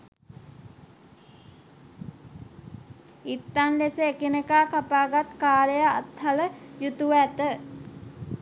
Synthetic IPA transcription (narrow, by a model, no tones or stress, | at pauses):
it̪ːanleseekinekaːkapaːɡat̪kaːlejaa̰t̪haləjut̪uʋæt̪ə